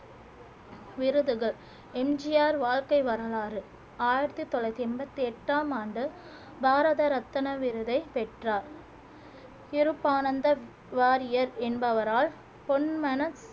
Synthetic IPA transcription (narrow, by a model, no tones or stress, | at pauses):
ʋɪɾɯðɯɣɐɭ | ɛmd͡ʒɪjaːɾʋaːlkɐɪʋɐɾɐɭaːɾɯ | aːjɪɾɐt̪ːɯt̪ːɔɭɐt̪ːiɛmbɐt̪ːiɛʈːaːmaːɳɖɯ | bʱaːɾɐðɐɾɐt̪ːɐnɐʋɪɾɯðɐɪpɛʈraːɾ | ɪɾɯpːaːnɐnd̪ɐ | ʋaːɾɪjɐɾɛnbɐʋɐɾaːl | pɔɳmɐnɐs